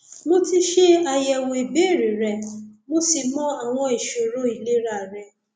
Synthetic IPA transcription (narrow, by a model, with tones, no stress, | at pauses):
mo˦ti˦ʃe˦a˧jɛ˧˨wo˧i˨be˦˨ɾĩ˨ɾɛ˨mo˦si˧mɔ̃˦a˨w̃ɔ̃˧i˨ʃo˨ɾo˨˦i˨le˦ɾa˦˨ɾɛ˧˦